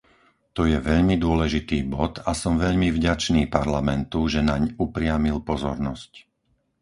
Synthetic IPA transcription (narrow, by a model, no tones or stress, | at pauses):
t̪ɔjɛʋɛʎmid̪ʊɔlɛʒit̪iːbɔt̪asɔmʋɛʎmivɟat͡ʃniːpaɾlamɛnt̪uʒɛnaɲupɾɪamilpɔzɔ̰ɾnɔsc